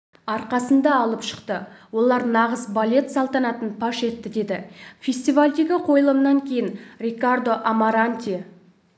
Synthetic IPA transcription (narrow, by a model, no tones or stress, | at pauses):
ɑɾqɑsənd̪ɑːlˠəpʃə̥qt̪əwo̞lˠɑɾnɑʁəzbalʲe̞t̪sɑlˠt̪ɑnɑt̪ənpʰɑʃe̞t̪ːɪd̪e̞d̪ɪfʲe̞st̪ivalʲd̪e̞ɡʲɪqʰo̞jəlˠəmnɑŋkʲʰe̞jɪnɾʲekard̪o̞ʔamaɾanʲt̪ʲi